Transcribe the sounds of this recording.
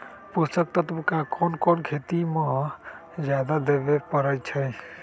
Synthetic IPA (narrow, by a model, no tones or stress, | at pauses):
put̪ək̚t̪ət̪umkakʰonkonkʰet̪imə̃ | d͡ʒjad̪ad̪ebepəɾəjt͡ʃʰəj